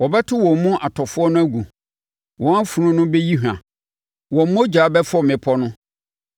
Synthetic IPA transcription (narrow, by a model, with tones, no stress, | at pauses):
wɔ˨bɛ˦tʰɪ˦wɔ̃˨m˦mʊ̃˦ʔa˨tʰɔ˨fʊ˦ɔ˦nʊ̃˦æ˦ɡu˨ | wɔ̃˨a˦fu˨ɾʊ̃˦nʊ̃˦bɛ˦ji˦ɦã̰˨ | wɔ̃˨m̩˦mɔ̃˦d͡ʑaː˨˦bɛ˦fɔ˦˨mɪ̃˨pʰɔ˦nʊ̃˦